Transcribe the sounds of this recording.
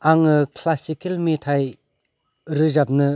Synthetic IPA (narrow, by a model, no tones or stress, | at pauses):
ʔaŋəkʰlasikʰalmet̪ʰaj | rəʑap̚nə